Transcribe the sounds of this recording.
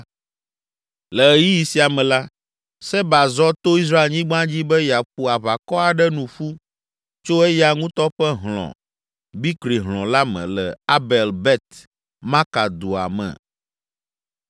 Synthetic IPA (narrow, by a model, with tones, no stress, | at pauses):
lɛ˨ji˦ji˨si˨a˨mɛ̃˨la˦ | sɛ˦ba˨zɔ˦t̪o˦i˦s̬ɾa˦e˨lɲĩ˦ɡ͡bã˦d͡ʑi˦bɛ˦ja˨ɸu˦a˨βa˨kɔ˦a˨ɖɛ˦nũ˨ɸu˦ | t͡ʃo˦ɛ˦ja˨ŋũ˦t̪ɔ˦ɸɛ˦ɦlɔ̰̃˨ | bi˦kɾi˨ɦlɔ̃˨la˦mɛ̰̃˨lɛ˨a˦bɛ˨lbɛ˦t̪ | mã˦ka˨d̪o˨a̰˨mɛ̰̃˨